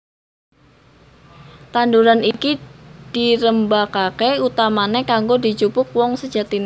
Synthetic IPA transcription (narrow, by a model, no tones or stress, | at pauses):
t̪anduɾanikid̥iɾəmbakakeut̪amanekaŋɡodit͡ʃupʊk̚wɔŋsə̥d͡ʒat̪in